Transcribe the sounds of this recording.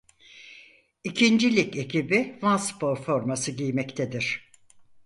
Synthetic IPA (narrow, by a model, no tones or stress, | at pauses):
icʰind͡ʒilʲice̞cʰibivanspʰo̞ɾfo̞ɾmasɯɟijmɛct̪ʰed̪iɾ̝̥